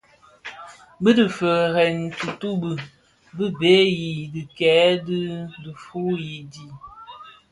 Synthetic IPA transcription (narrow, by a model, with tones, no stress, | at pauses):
bə˦dɨ˨fə˨ɣɛ˨ntu˨tu˦bɨ˨ | bɨ˦be˨˦ji˨dɨ˨kɛ˨˦dɨ˦də˨fu˦ji˨di˨